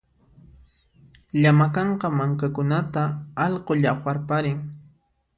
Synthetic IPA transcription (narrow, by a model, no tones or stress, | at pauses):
ʎamakɑɴqɑmaŋkakʊnat̪aɑʎqoʎaχwaɾpaɾɪŋ